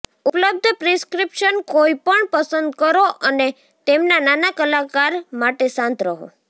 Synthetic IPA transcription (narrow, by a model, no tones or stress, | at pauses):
upləb̚d̪ʱpɾeskɾipʃənkoipəɳpəsənd̪kəɾoʔəne | t̪emnananakəlakaɾmaʈesãnt̪ɾəɦo̰